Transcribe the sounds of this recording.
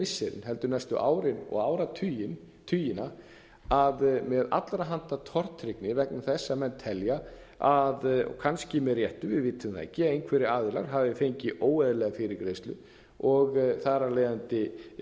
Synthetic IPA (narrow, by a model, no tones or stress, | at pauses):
ɪsːɛɾɪ̰nɦɛlt̪ʏɾnajst̪ʏʔaːwɾɪnɔ̰ɣaːwɾat̪ʰːjɪn | t̪ʰyːjɪna | aðmɛða̰t̪lɾaɦant̪at̪ʰɔr̥t̪ɾɪknɪvɛknamθɛsːamɛnːt̪ʰːɛlja | aðɔ̰kʰanscɪmɛðrjɛht̪ʏvɪðvɪːt̪ʰːʏmθa̰jhcɪaejnkʰvɛːɾɪaːðɪla̰ɾ̥ɦavɪfejɲcɪʔoːwɛðɪlɛːɣafɪːɾɪɾkɾejst̪lʏ̰ | ɔɣθaɾaleːjðant̪ɪ